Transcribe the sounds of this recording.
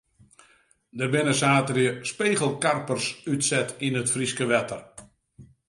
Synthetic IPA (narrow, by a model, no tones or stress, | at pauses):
dərbɪnəsaːtərjəspeːɣəlˠkarpərsytsɛtinətfriskəʋɛtər